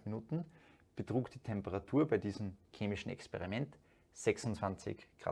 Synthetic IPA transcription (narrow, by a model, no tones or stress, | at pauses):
minuːtn̩b̥ətʁ̥uːkd̥iːtʰɛmpəʁatʰuːɐbaɪdiːzəm̩kʰeːmɪʃn̩ɛ̰kspɛʁimɛnt | z̥ɛksʊnt͡sv̥ant͡sɪ̰çɡ̥ʁa̰ː